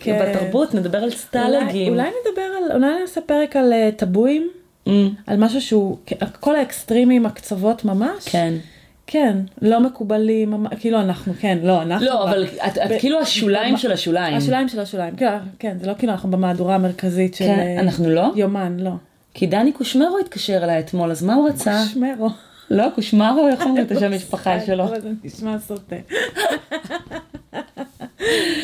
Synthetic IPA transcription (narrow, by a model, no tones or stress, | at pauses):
kʰebat̪aʁbutned̪abeʁalst̪aleɡiulajned̪abe̞ʁalṵlajniasepeʁekaletabuim | ʔa̰lmaʃ̬uʃeukʔako̞laekstʁimimakt͡savo̞tmamaʃken | kʰenlo̞me̞kubalimːamakiiluanaχnuke̞nlo̞anaχloavalatakiluaʃulaimmʃelaʃulaiaʃmulaimʃelaʃulaimkilukenzelo̞kiluanaχnubemaːduʁaːmeʁkazitʃelanaχnulo̞jomanlo̞ | kʰidanikuʃmeʁoit̪kaʃeʁelajet̪mo̞lazmauʁat͡saʃmeʁo | lokuʃmaʁoaχoot̪eʃamiʃpaχaʃelovazeniʃmasote